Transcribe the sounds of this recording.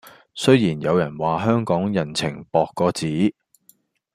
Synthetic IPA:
sɵ˥jjiː˨˩njɐ˨˧wjɐ˨˩nwaː˨˩ɦœː˥ŋkɔː˨˥ŋjɐ˨˩nt͡sʰɪ˨˩ŋpɔː˨˧kːɔː˨˧t͡siː˨˥

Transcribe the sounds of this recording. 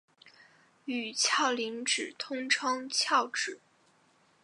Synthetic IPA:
y˨˩t͡ɕʰjɑ˥˩ʊli˧˥ŋʈ͡ʂɻ̩˨˩t̪ʰʊ˥ŋʈ͡ʂʰɑ˥ŋt͡ɕʰjɑ˥˩ʊʈ͡ʂɻ̩˨˩˦

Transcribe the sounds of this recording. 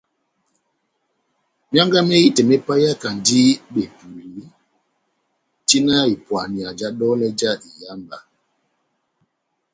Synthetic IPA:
mja˦ŋɡa˦mɛ˦ji˦tɛ˨mɛ˦pa˦ja˦ka˨n˨di˦ɓe˨pu˨ɾi˨˦ | ti˦na˦i˨pwa˨ni˨a˨d͡ʒa˦ɗɔ˦lɛ˦d͡ʒa˦˨i˨ja˦mba̰˨

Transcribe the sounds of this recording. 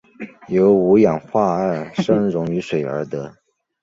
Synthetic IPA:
jo˧˥ʊu˧˥jɑ˨˩ŋxwa˥˧a˥˩ʂɤ˥ŋɻʊ˧˥ŋy˧˥ʂwe˨˩ɪə̰˞˧˥d̪ə˧

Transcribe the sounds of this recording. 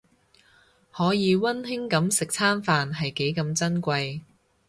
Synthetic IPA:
hɔː˨˥jiː˨˧wɐ˥nhɪ˥ŋkɐ˨˥msɪ˨k̚t͡sʰaː˥nfaː˨nɦɐ˨jke˨˥jkɐ˨˧mt͡sɐ˥nkʷɐ˧j

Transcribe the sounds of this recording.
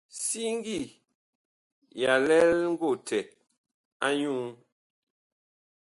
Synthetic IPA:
si˦ŋ̩˦ɡi˦˨ | ja˨lɛ˦lŋ̩˦ɡo˦˨tʰɛ˨t̚ | a˦ɲu˦ŋ

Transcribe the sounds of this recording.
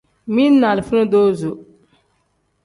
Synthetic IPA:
mi˦n˦nːa˨lfu˦no˦do˦zo˨

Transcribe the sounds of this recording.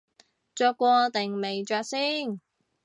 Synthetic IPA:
t͡ʃœː˧kːʷɔː˧t̪e˨ŋme˨jt͡ʃœː˧k̚siː˥ŋ

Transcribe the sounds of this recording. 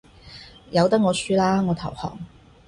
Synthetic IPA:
jɐ˨˧wt̪ɐ˥k̚ŋɔː˨˧syː˥laː˥ŋɔː˨˧t̪ʰɐ̰˨˩whɔ̰ː˨˩ŋ

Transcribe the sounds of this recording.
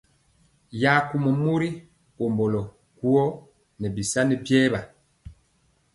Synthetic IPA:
ja˨˦ku˨mɔ˨mu˦ɾi˦ | o˨mbɔ˨lɔ˨ | ku˦ɔ˦ | nɛ˨bi˨sa˦ni˦bjɛː˦βa˨

